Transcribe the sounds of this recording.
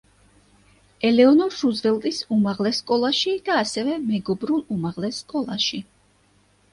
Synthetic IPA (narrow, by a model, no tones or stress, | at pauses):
ɛlɛɔnɔɾʃuzvɛlˠt̪ʼisumaʁlɛsːkʼɔlˠaʃid̪̥aːsɛvɛmɛɡɔbɾulˠumaʁlɛsːkʼɔlˠaʃi